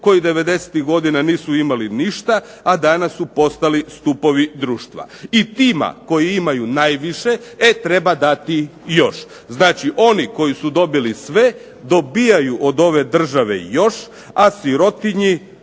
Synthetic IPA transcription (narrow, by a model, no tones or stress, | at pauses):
ko̞jid̪e̞ʋe̞d̪e̞se̥t̪iɣɡo̞d̪inaniːsuimaliniʃt̪aː | d̪anasːupo̞st̪alist̪upo̞ʋid̪ɾuːʃt̪ʋa̰it̪iːma̰ko̞jiimajunaːjʋiʃe̞et̪ɾe̞bad̪at̪ijo̞ʃ | znaːt͡ʃiʔo̞niko̞jisud̪o̞bilisʋe̞ | d̪o̞bijajuʔo̞d̪o̞ʋe̞d̪r̩ʒaʋe̞̰jo̞ʃ | asiɾo̞t̪iɲi